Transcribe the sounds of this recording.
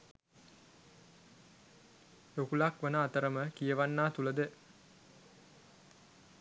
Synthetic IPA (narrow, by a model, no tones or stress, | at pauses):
jokulakʋənəːt̪əɾəməkijəʋanːaːt̪uləd̪ə